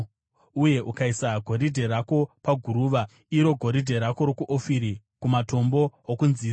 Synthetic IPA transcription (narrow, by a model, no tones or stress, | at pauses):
uje̞ʔukaisaɡʱo̞ɾidʱe̞ɾako̞paɡʱuɾuːʋa | iɾo̞ɡʱo̞ɾidʱe̞ɾako̞ɾokuʔofiɾi | kumato̞mbo̞okunziː